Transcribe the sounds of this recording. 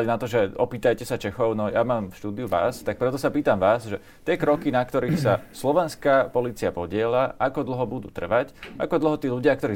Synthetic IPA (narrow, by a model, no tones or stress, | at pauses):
nat̪ɔʒɛɔpiːt̪ajcɛsat͡ʃɛxɔʊnɔjamaːmfʃt̪uːd̪iuʋa̰ːst̪ak̚pɾɛt̪ɔsapiːt̪amʋaːsʒɛ | t̪ɪɛkɾɔkinakt̪ɔɾiːxsaslɔʋɛnskapɔliːt͡siapɔɟɪɛlaʔakɔd̪l̩ˠɦɔbud̪ṵːt̪r̩ʋacʔa̰kɔd̪l̩ɦɔt̪iːluɟɪak̚t̪ɔɾiː